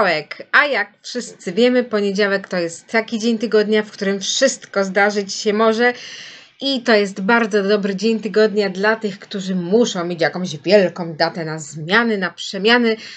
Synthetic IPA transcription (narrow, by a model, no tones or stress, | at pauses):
wɛkajakfʂɘst̪sɘvʲjɛmɘpɔɲed͡ʑawɛkt̪ɔjɛst̪ːakʲid͡ʑeɲt̪ɘɡɔd̪ɲafkt̪uɾɘmfʂɘst̪kɔzd̪aʐɘt͡ɕɕɛmɔʐɛ | it̪ɔjɛst̪baɾd̪zɔd̪ɔbɾɘd͡ʑeɲt̪ɘɡɔd̪ɲad̪lat̪ɘxkt̪uʐɘmuʂɔ̃w̃mʲet͡ɕjakɔ̃w̃ʑvʲjɛlkɔ̃w̃d̪at̪ɛnazmʲjanɛnapʂɛmʲjanɛ